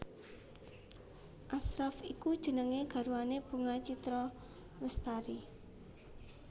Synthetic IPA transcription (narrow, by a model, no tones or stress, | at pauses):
ʔasɾafikud̥ʒ̥ə̤nəŋeɡ̥ä̤ɾuaneb̥ṳŋat͡ʃit̪ɾɔ | ləst̪aɾi